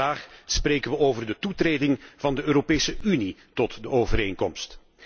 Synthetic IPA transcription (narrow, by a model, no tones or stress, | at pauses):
aːχspreːjkənʋəʔoːwvərdətutreːdɪŋv̥ɑndəʔøːɾopeːjsəynitɔtdəoːvəɾeːŋkɔmst